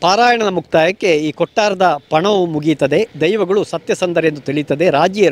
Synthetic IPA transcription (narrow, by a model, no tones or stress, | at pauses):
paːɾaːjɐɳɐd̪ɐmukʰt̪aːjɐkːe̞iːkɔʈːaːɾɐd̪ɐpɐɳɐʋumuɡit̪ɐd̪e̞d̪ɐjʋɐɡɐɭusɐt̪jɐsɐnd̪ɐɾejend̪ut̪iɭit̪ɐd̪e̞ɾaːd͡ʒiɐ